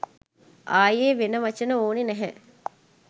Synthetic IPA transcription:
ʔaːjeːʋenəʋɐt͡ʃənəoːninɛɦɛ

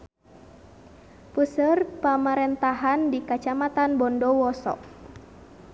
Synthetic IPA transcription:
pusərpamaɾɛnt̪aɦandikat͡ʃamat̪anbɔndɔwɔsɔ̰k̚

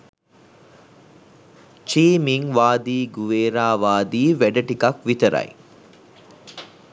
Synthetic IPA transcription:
t͡ʃiːmiŋʋaːd̪iːɡuʋeːɾaːʋaːd̪iːʋæɖɐʈikɐkʋit̪ɐɾɐ̰j

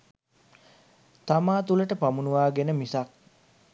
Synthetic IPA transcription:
t̪amaːt̪uləʈəpamunuʋaːɡenəmisak̚

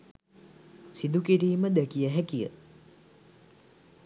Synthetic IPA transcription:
sid̪ukiɾiːməd̪œkijəɦækijə̰

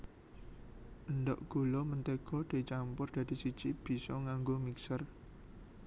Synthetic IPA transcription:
ʔənd̪ɔʔɡ̥o̤lɔmənt̪eɡ̥ɔ̤d̪̥e̤t͡ʃampʊrd̥̪ä̤d̪̥i̤sid̥d͡ʒʒ̥ib̥i̤sɔŋaŋɡomiksər

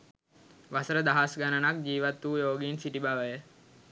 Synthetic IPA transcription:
ʋasəɾəd̪aɦasɡanənak̚d͡ʒiːʋat̪ːuːjoːɡinsiʈibaʋəjə

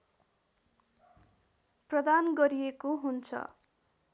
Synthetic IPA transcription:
prʌd̪anɡʌɾijekoɦunt͡sʰʌ̰

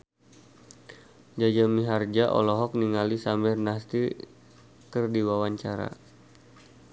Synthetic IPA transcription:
d͡ʒad͡ʒamiɦard͡ʒaʔɔ̰lɔɦɔk̚niŋalisamɪrnast̪i | kərdiwawaɲt͡ʃaɾa̰

